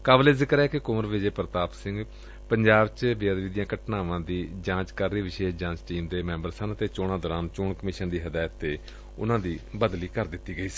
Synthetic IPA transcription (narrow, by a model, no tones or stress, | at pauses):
kaːbleːzɪkəɾɛːkɪkʊːəɾʋɪd͡ʒeːpəɾət̪aːpsɪ̃ŋɡ | pəɲd͡ʒaːbt͡ʃbɪjaːd̪ʋiːd̪ɪjãːkəʈnaːʋãːd̪iːd͡ʒãːt͡ʃkəɾːiːʋɪʃeːʃd͡ʒãːt͡ʃʈiːmd̪eːmɛ̃ːmbəɾsənət̪eːt͡ʃoːɽãːd̪əːɾãːmt͡ʃʊɳkəmɪːʃənd̪iːɦəd̪aːt̪ːeː | ʊ̰nãːd̪iːbəd̪liːkəɾd̪ɪt̪ːiːɡəiːsi̥ː